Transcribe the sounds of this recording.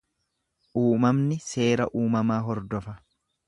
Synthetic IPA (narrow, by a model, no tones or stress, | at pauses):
ʔuːmɐmnɪse̞ːɾɐ̰ʔuːmɐmaːɦɔɾd̪ɔfɐ